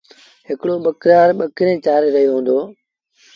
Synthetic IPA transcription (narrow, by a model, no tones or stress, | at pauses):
ɦɪkɽoːɓəkɾaːɾɓəkɪɾẽːt͡ʃaːɾeɾəɦjoːɦũːnd̪oː